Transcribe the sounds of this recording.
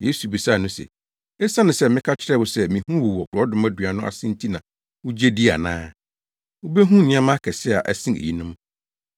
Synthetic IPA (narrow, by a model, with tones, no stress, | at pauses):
je˦su˨bi˨sa˦˨nʊ̃˦sɛ̰˨ | ɛ˦sa˦nʊ̃˨sɛ˦mɪ̃˦kʰa˦t͡ɕʰɪ˦ɾɛ˦wʊ˨sɛ˦mĩ˨hũ˦wu˨wɔ˨kʊ˨ɾɔ˦dʊ˨mã˦dɥa˨nʊ̃˦ʔa̰˨sɪ̃˦n˦tʰi˦nã˨ | ʊ˦d͡ʑe˦di˦a̰˨nãː˦ | ʊ˦be˦ɦũ˦˨nɪ̃˦ã˦mã˦kʰɛ˨sɪ˦˨a˨ʔæ˨sĩ˦ḛ˨ji˦nʊ̃˦m